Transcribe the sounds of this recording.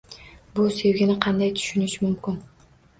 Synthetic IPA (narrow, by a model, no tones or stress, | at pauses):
bʊse̞vɡʲɪnɪqʰɑnd̪ajt̪ʰy̥ʃynɪʃmʊmkʲɪn